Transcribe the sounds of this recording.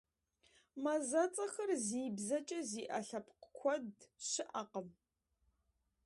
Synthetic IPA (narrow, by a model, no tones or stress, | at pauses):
mɐzɐt͡sʼɐxɐrziːbzɐt͡ʃʼɐziːʔɐɬɐpʰqkʷʰɔdɕɪʔɐqəm